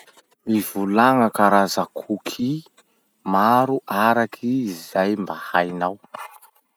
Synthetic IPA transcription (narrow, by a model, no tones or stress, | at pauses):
mivulaŋəkaɾazakʰukʰi | maɾuʔaɾakʰiːzajmbahajnaw